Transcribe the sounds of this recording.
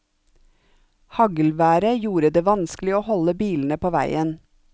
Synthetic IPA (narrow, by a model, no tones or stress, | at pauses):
hɑɡəl̩ʋæːɾəjuːɾəd̪eːʋɑnsklɪoːhɔləbiːln̩əpʰoːʋæɪən